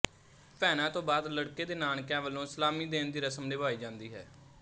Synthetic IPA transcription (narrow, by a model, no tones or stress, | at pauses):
pɛːnãːt̪õːbaːd̪ləɽkeːd̪eːnaːnkɛ̃ːʋəlːõːɪsəlaːmiːd̪eːnd̪iːɾəsəmleːbaːiːd͡ʒãːnd̪iːɦɛː